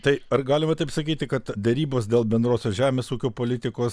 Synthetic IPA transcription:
t̪ɐɪɐrɡɑːlʲɪmɐt̪ɐɪpsɐkʲiːt̪ʲɪkɐt̪d̪ʲɛɾʲiːboːs̬d̪ʲeːlˠbʲɛnd̪ɾoːsʲoːsʒʲæːmʲeːsuːkʲoːpoːlʲɪt̪ʲɪkoːs

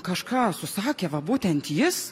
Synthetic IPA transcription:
kɐʃkɑːsʊsɑːkʲeːʋɐbuːt̪ʲɛnt̪jɪs

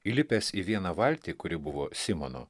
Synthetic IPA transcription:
ilʲɪpʲesiʋʲiɛnɐʋɐlʲt̪ʲiːkʊɾʲɪbʊʋoːsʲɪmono̰ː

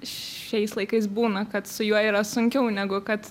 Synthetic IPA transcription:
ʃɛɪslˠɐɪkɐɪsbuːnɐkɐt̪sʊjuɔiːɾɐsʊŋʲkʲɛʊnʲæɡʊkɐt̪

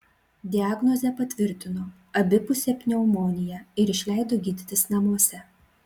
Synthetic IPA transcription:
d̪ʲɪaːɡnɔzʲɛpɐt̪ʲʋʲɪɾʲt̪ʲɪnoː | ɐbʲɪpʊsʲɛpʲnʲɛʊmoːnʲɪjɛɪɾɪʃʲlʲæˑɪd̪oːɡʲiːd̪ʲɪt̪ʲɪsnɐmuɔsʲɛ

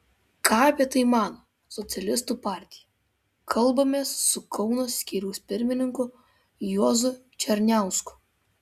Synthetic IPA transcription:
kʰɑːɐpʲiɛt̪ɐɪmɑːno | sɔt̪sʲɛlʲɪst̪upɑːɾʲt̪ʲɪjɛ | kʰɐlˠbɐmʲeːsːʊkʰɔʊnoːsʲsʲkʲiːɾʲuʊsʲpʲɪɾʲmʲɪnʲɪŋkʊ | jɔːzʊ | t͡ʃʲɛɾʲnʲæˑʊskʊ̥

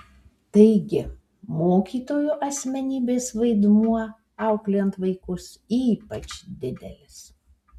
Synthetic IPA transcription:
t̪ɐɪɡʲɪ | moːkʲiːt̪oːjuːʔɐsʲmʲɛnʲiːbʲeːsʋɐɪd̪muɔ | ɐʊklʲɛnt̪ʋɐɪkʊs | iːpɐt͡ʃd̪ʲɪd̪ʲɛlʲɪs

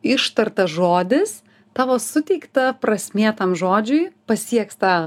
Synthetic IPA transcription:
ɪʃt̪ɐrt̪ɐʒoːd̪ʲɪs | t̪ɑːʋoːsʊt̪ʲɛɪkt̪ɐpɾɐsʲmʲeːt̪ɐmʒoːd͡ʒʲʊɪpɐsʲiɛkst̪ɑː

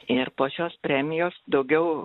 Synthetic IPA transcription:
ɪrpoːʃʲoːspʲɾʲæːmʲɪjoːsd̪ɒʊɡʲɛʊ

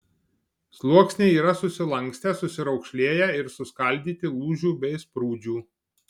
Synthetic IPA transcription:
slˠuɔksʲnʲeːiːɾɐsʊsʲɪlˠɐŋˑksʲt̪ʲɛsʊsʲɪɾɒʊkʃʲlʲeːjæːɪɾsʊskɐlʲˑd̪ʲiːt̪ʲɪlˠuːʒʲuːbʲɛɪspɾuːd͡ʒʲuː

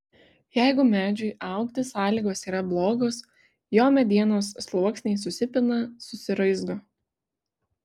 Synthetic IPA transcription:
jæˑɪɡʊmʲæːd͡ʒʲʊɪʔɑˑʊkt̪ʲɪsɑːlʲiːɡoːsiːɾɐblˠoːɡoːs | joːmʲɛd̪ʲiɛnoːsːlˠuɔksʲnʲɛɪsʊsʲɪpʲɪnɐsʊsʲɪɾɐɪzɡoː

